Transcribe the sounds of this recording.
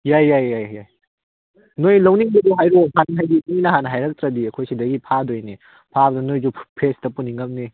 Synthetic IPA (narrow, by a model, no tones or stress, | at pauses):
jajːajːajaj | nojlɐwniŋbɐduɦajɾohʰanɐɦajdiŋinɐɦanɐɦajɾɐk̚tɾɐdiɐkʰojsidɐɡipʰadojni | pʰabɐdɐnojzupʰestɐpuniŋɐm̚ni